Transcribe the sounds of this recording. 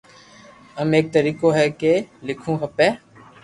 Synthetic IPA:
əmeːk̚t̪əɾiːkoːɦɛːkeːlɪkʰũːɦəpẽː

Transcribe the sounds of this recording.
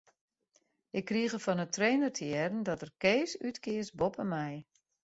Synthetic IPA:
ʔɪkːriəɣəfɔnətʰreːnərtʰəɛrn̩dɔtərkeːsytkɪəsbopəmɛj

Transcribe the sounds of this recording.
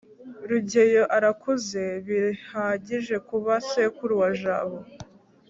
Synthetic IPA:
ɾuɟejo̞ʔaɾakuze̞βihaɟiʒe̞kuβasekuɾwaʒaːβo

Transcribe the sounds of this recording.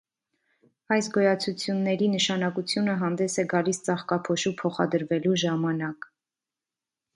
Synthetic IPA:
ɑjsɡɔjɑt͡sʰut͡sʰjunːɛɾinəʃɑnɑkut͡sʰjunəɦɑnd̪ɛsɛɡɑlist͡sɑχkɑpʰɔʃupʰɔχɑ̰d̪əɾvɛluʒɑmɑnɑk

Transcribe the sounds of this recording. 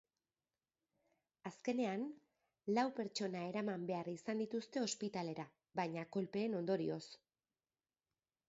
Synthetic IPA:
aske̞ne̞an | lawpe̞ɾt͡ʃo̞nae̞ɾamambe̞arisand̪it̪ust̪e̞o̞spit̪ale̞ɾa | bajɲako̞lpe̞ːno̞nd̪o̞ɾio̞s

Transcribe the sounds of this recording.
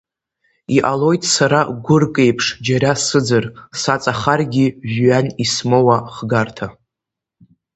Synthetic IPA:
iʔalo̞jtʼsaɾaɡʷʊrkʼe̞jpʰʂd͡ʒaɾasɨd͡zɨrsat͡sʼaχarɡʲiʒɥanismowaχɡartʰa

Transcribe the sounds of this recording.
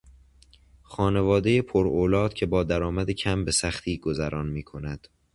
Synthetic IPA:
xɒːne̞vɒːd̪e̞jepʰoɾoːlɒːd̪̥cʰe̞bɒːd̪æɾɒːmæd̪ecʰæmbe̞sæxt̪ʰiːɡozæɾʔɒːnmiːkʰo̞næd̪̥

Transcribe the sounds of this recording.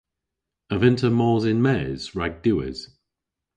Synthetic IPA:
əvɪ̃ntʰəmɔːzɪ̃nmɛz̥ɹaɡ̚d̥ʉːɪ̰z̥

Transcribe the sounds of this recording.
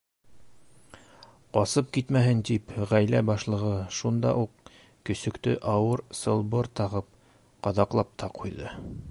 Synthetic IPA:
qɑsɤp̚kit̪mæɦɘnt̪ipʁæjlæbɑʃlˠɤ̆ʁɤʃund̪ɑ̰ʔuq | kɵ̆sɵ̆kt̪ɵʔɑwɤɾsɤ̆lˠbɤɾt̪ɑʁɤp̚ | qɑðɑqlˠɑp̚t̪ʰɑqʰujðɤ

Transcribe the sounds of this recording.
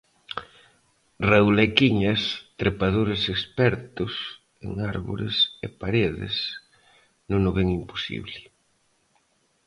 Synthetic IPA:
rewlekiɲɐst̪ɾepaðoɾesekspɛɾt̪ʊs | ḛŋaɾβo̰ɾḛsepaɾeðɪ̰s | nõŋʊβɛŋimpo̥sḭβlɪ

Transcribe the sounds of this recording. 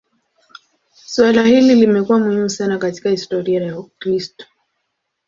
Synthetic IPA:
swalahililimɛkuwamuhimusanakati̥kahistɔɾiajakɾistɔ̥

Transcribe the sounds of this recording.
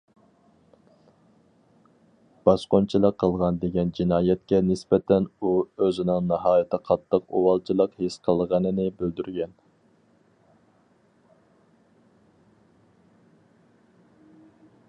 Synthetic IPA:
b̥ɑsqont͡ʃʰilˠəqʰːəlˠʁɑnd̪eɡʲɛnd͡ʒinɑːjɛt̪̚kʲɛnɪspɛt̪ʰɛnuøzɪnɪŋnɑɦɑːjit̪ʰɪqʰɑt̪ʰːəqowɑlˠt͡ʃʰilˠəqhesqʰəlˠʁɑnɨnɪbøld̪yɾɡʲɛn

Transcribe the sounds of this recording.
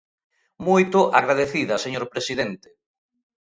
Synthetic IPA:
mojt̪ʊʔaɣɾaðeθiðɐseɲoɾpɾesiðent̪e̥

